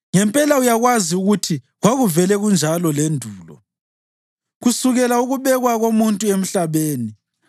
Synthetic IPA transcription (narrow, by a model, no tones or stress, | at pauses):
ŋɛmpʼɛlaujaɣwaziuɣutʰi | ɣwaɣuvɛlɛɣund͡ʒʱalɔlendʱuːlɔ̰ | ɣusuɣɛlauɣuβɛɣwaɣomuntʼuem̩ɬaβeːni